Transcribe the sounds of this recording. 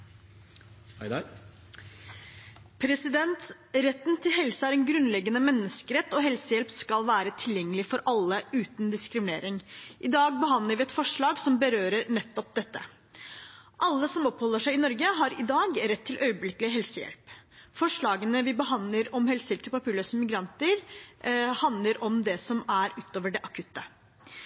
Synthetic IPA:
pʰɾɛsɪd̪ɛnt̪ | ɾɛt̪ːnt̪ʰɪlɦɛlsəæɾɛnɡɾʉnlɛɡːənəmɛnːəskəɾɛt̪ːɔɦɛlsəjɛlpskɑlʋæːɾət̪ʰɪljɛŋːəlɪfɔɾʔɑlːəʉːt̪nd̪ɪskɾɪmɪnḛːɾɪŋʔɪd̪ɑːɡ̚bəɦɑnd̪əɾʋɪːɛt̪fɔʂɭɑːɡsɔmbəɾøːɾəɾnɛt̪ːɔp̚d̪ɛt̪ːə | ʔɑlːəsɔmɔphɔlːəʂæɪɪnɔɾɡəɦɑɾɪd̪ɑːɡɾɛt̪ʰːɪlʔœʏəblɪklɪɦɛlsəjɛ̰lpfɔʂɭɑːɡənəʋɪbəɦɑnd̪ləɾɔmhɛlsəjɛlp̚t̪ʰɪlpʰɑpiːɭøːsəmɪɡɾɑnt̪əɾ | hɑnd̪ləɾʔɔmd̪ɛsɔmæɾʉːt̪oːʋəɖɛʔɑkʰʉt̪ːə

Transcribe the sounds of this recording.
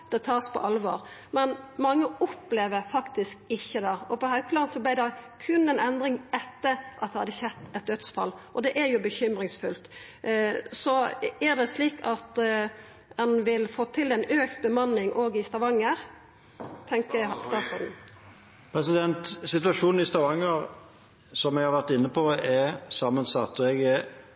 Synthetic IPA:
d̪̥ɛt̪ʰɑːspʰɔ̰ʔɑlʋo̰ːʁ | mɛnmɑŋːəɔpleːʋəɾfɑkt̪ɪskɪçːəd̪ɑɔpɔhɑʉpʰlɑːnsɔblæɪd̪ɛkʰʉnɛnɛnd̪ʁɪŋɛt̪ːəɾʔɑ̰t̪̚d̪ɛhɑd̪ːəçɛt̪ːɛt̪̚d̪œt̪sfɑ̰lːʔɔd̪ɛʔæɾjʊbəçʏmɾɪŋsfʉlt̪ | sɔæʁd̪ɛsliːkʰɑt̪ | d̪ɛnʋɪlfoːt̪ʰɪlɛnøːk̚t̪bəmɑnːɪŋʔoːɡɪst̪ɑʋɑŋːəɾ | t̪ʰɛŋkəst̪ɑːsɔɾd̪n̩ | pʰɾɛsɪd̪ɛnt̪sɪt̪ʉɑʃuːnn̩ɪst̪ɑʋɑŋːəɾ | sɔmɛɡhɑʁʋæʁt̪ɪnːəpɔɛsɑmːənsɑt̪ːɔɛɡ

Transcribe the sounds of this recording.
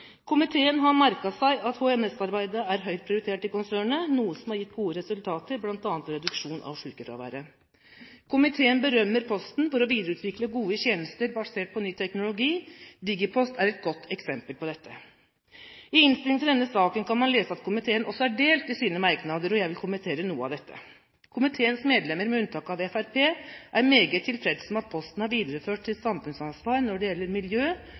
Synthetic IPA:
kʰʊmɪt̪ʰeːənɦɑɾmæɾkɑsæɪʔɑt̪huɛmɛsɑɾbæɪd̪əæɾɦœʏɾ̚pʰɾɪʊɾɪt̪ʰeːʈɪkʊnsæːɳənuːəsɔmhɑɾjɪt̪ːɡuːəɾɛsʉlt̪ʰɑːt̪əɾblɑnt̪ɑːnt̪ɔɾɛd̪ʉkʂuːnʔɑ̰ʋʂʉːkəfɾɑ̰ʋæ̰ːɾə | kʰʊmɪt̪ʰeːənbəɾœmːəɾpʰɔst̪n̩fɔɾɔʋiːd̪əɾəʉːt̪ʰʋɪkləɡuːəçɛːnəst̪əɾbɑseːʈ̚pʰɔnyːt̪ʰɛknʊlʊɡiːd̪ɪɡəpʰɔst̪æɾɛt̪̚ɡɔt̪ʰːɛksɛmpəlpʰɔd̪ɛt̪ʰːə | ɪɪnst̪ɪlŋt̪ʰɪld̪ɛnːəsɑːkənkɑnmɑnleːsəɑt̪kʰʊmɪt̪ʰeːənʔɔsːɔæɖeːlt̪ɪsiːnəmɑɾknɑd̪əɾɔjæɪʋɪlkʰʊmənt̪ʰeːɾənuːəɑ̰ʋd̪ɛt̪ʰːə̰ | kʰʊmɪt̪ʰeːənsmeːd̪lɛmːəɾmɛʉnt̪ʰɑːkɑʋɛfæɾpʰeːʔæɾmeːɡət̪ʰːɪlfɾɛd̪sɔmɑt̪̚pʰɔst̪n̩hɑɾʋiːd̪əɾəføːʈ̚t̪ʰɪlsɑmfʉnsɑnsʋɑːɾnɔɖɛjɛlːəɾmɪljøː

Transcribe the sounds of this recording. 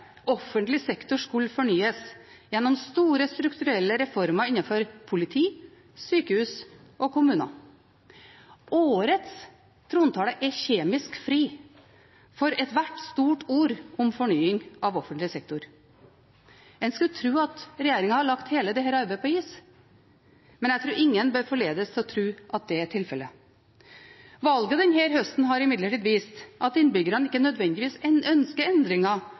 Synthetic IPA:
ɔfənt̪lɪsɛkt̪ʊʂkʉlfɔɳyːəs | jɛnːɔmst̪uːɾəst̪ɾʉkt̪ʉɾɛlːəɾɛfɔɾmɑɪnːɑfɔɾpʰʊlɪt̪ʰiː | syːkəhʉːs | ʔɔkʊmʉːnɑ̰ | ʔoːɾət̪s | t̪ʰɾuːnt̪ʰɑːləʔɛçeːmɪskfɾiː | fɔɾɛt̪ʋæʈːst̪uːʈuːɾʔɔmfɔɳyːɪŋɑʋɔfənt̪lɪsɛk̚t̪ʊɾ | ɛnskʉlt̪ʰɾʉːɑt̪ɾɛjeːɾɪŋɑhɑɭɑkt̪heːləd̪ɛhæːɾəɑɾbæɪpʰɔiːs | mɛnjæt̪ɾuːɾɪŋːənbøːɾfɔɭeːd̪əst̪ʰɪlɔt̪ʰɾʉːʔɑt̪̚d̪ɛæʈʰɪlfɛlːə | ʋɑlɡəd̪ɛnɦeːɾɦœst̪n̩ɦɑɾɪmɪd̪ləʈiːd̪ʋiːst̪ʔɑt̪ɪnːbʏɡəɾənɪkːənœd̪ʋɛnd̪ɪʋiːsɛœnskəɛnd̪ɾɪŋɑ

